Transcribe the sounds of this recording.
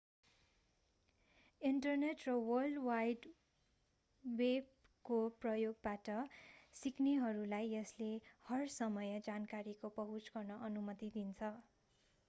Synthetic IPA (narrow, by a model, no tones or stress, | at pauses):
iɳʈʌrneʈrʌwʌlɖwajɖ | web | koprʌjoɡ̚baʈʌsikneɦʌɾulajʌslehʌrsʌmʌjʌd͡zankaɾikopʌɦut͡sɡʌrnʌʔʌnumʌt̪id̪int͡sʰʌ